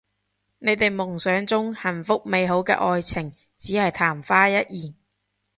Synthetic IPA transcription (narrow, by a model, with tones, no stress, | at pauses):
ne˨˧jt̪e˨jmʊ˨˩ŋsœː˨˧˥ŋt͡sʊ˥ŋhɐ˨˩nfʊ˥k̚me˨˧jɦo˨˥wkɛ̰ː˧ʔɔː˧jt͡sʰɪ˨˩ŋ | t͡siː˨˥hɐ˨jt̪ʰaː˨˩mfaː˥jɐ˥t̚jiː˨˩n